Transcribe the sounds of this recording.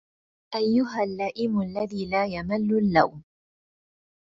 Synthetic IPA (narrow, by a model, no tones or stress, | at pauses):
ʔajːʊɦalːaːʔɪmʊalːaðiːlaːjamalːʊlːawm